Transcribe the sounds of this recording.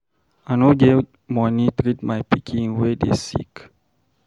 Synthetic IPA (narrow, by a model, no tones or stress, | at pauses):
anoɡe | mɔnitɾitmajpikʰĩnwedḛsḭk